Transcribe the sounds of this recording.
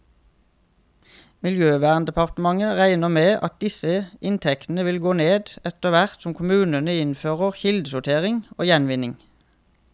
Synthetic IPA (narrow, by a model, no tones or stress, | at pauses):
mɪljøːʋæːʁnd̪əpʰɑʁt̪əmɑŋəʁæɪnəmeːʔɑt̪̚d̪ɪsəʔɪnt̪ʰɛkt̪n̩əʋɪlɡoːneːd̪ɛt̪əʋæʁt̪sɔmkʰʊmʉːnənəɪnføːʁəʁçɪld̪sʊt̪ʰeːʁɪŋo̰ːjɛnʋɪnɪŋ